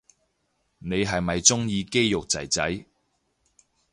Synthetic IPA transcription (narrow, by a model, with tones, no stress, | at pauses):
ne˨˧jɦɐ˨jmɐ˨jt͡sʊ˥ŋjiː˨˧ke˥jjʊ˨k̚t͡sɐ̰˨˩jt͡sɐ˨˥j